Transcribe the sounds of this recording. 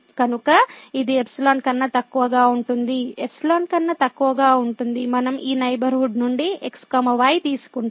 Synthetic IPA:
kɐnukɐid̪iepsilaːnkɐnːɐt̪ɐkːuʋɐɡaːuɳʈund̪iepʰsilaːnkɐnːɐt̪ɐkːuʋɐɡaːuɳʈund̪imɐnɐmʔiːnɐjbɐɾɦuɖnuɳɖiekskaːmɐʋaːjt̪iːsu̥kuɳ

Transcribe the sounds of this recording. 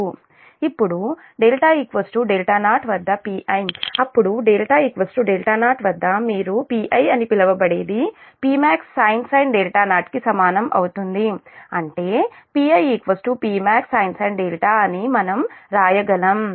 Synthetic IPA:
ipːuɽu | ɖeːlʈaːikʋɐsʈuɖeːlʈaːnaːʈʋɐd̪ːɐpiːʔɐjmɐpːuɽuɖeːlʈaːikʋɐsʈuɖeːlʈaːnaːʈʋɐd̪ːɐmiːɾupiːʔɐjɐnipilɐʋɐbɐɽeːd̪ipiːmaːksːajnsɐjnɖeːlʈaːnaːʈkisɐmaːnɐmʔɐ̰wut̪und̪iɐɳʈe̞ː | piːɐjikʋɐsʈupiːmaːksɐjnsɐjnɖeːlʈaːɐnimɐnɐmɾaːjɐɡɐlɐm

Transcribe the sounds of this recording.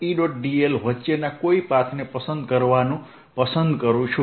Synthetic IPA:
iɖoʈ̚ɖielɦʌt͡ʃːenakoipat̪ʰnepʌsʌnd̪kʌɾbanũ | pʌsʌnd̪kʌɾut͡sʰu

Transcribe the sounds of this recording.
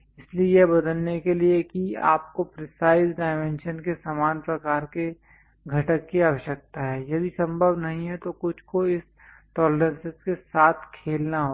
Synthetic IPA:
ɪsliejebɐd̪əlnekeliekia̰ːp̚kopɾɪsaːɪzɖaːɪmɛ̃ːnʃənkesaːmaːnpɾɐkaːɾke | ɡʱɐʈəkːiaːʋəʃjək̚t̪aɦɛːjɐd̪isɐ̃mbʱəbnɐɦĩɦɛt̪okʊt͡ʃʰkoɪs | ʈɔːleɾə̃nsɪzkesaːt̪ʰkʰeːlnaɦoː

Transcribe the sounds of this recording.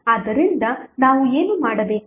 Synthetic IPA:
ɐd̪ɐɾind̪ɐnaːʋue̞ːnumaːɽɐbeː

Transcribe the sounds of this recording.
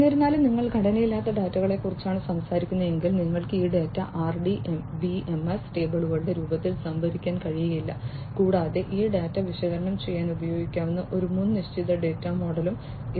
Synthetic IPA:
nɐɾunːaːlumniŋːɐɭɡʱɐɽɐnɐjilːaːt̪ːɐɖaːtːɐɣɐɭe̞kːurit͡ɕːaːɳɨsɐmsaːɾikʲːunːɐðe̞ŋɡilniŋːɐɭkɨiːɖeːtːɐʔaːrɖiʔembiemesʈe̞ːbɐɭuɣɐɭɽeɾuːbɐt̪ːilsɐmbʱɐʋikʲːaːnkɐɻijɐjilːɐkuːɽaːðeʔiːɖaːtːɐʋiʂɐɣɐɾɐɳɐmt͡ɕe̞jːaːnubɐjo̞ːɡikʲːaːʋenːɨʔo̞ɾumunːɨniʂt͡ɕiðɐɖeːtːɐmo̞ːɽɐlum

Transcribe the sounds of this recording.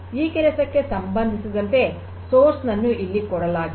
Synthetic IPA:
iːkɛɾɐsɐkːesɐmbɐnd̪ʱisid̪ɐnt̪e̞ | soːɾsnɐnːuʔilːikɔɽɐlaːɡi

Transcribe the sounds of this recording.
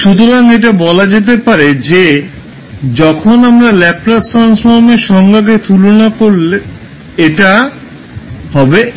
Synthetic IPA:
ʃut̪̬oɾaŋeʈ̬abɔlad͡ʑet̪̬epaɾed͡ʑe | d͡ʑɔkʰonamɾalɛp̚lasʈɾansfoɾmeɾʃɔŋɡʱak̬et̪ulonakoɾle | eʈa | hɔbe

